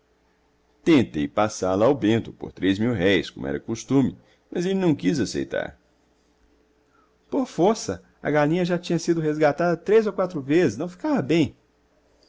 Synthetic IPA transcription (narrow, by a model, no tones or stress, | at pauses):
t̪ẽnt̪ejpasalawbẽnt̪ʊpo̰ɾt̪ɾezmiwɦɛjskõ̰mʊ̰ɛ̰ɾɐkost̪ũmɪ | mɐzelɪnɐ̃w̃kizasḛjt̪a̰ɾ | poɾfoɾsɐ | ɐ̰ɡalĩɲɐʒat͡ʃĩɲɐsid̪ʊɦezɡat̪ad̪ɐt̪ɾejzowkwat̪ɾʊvezɪznɐ̃w̃fi̥kavɐbẽj̃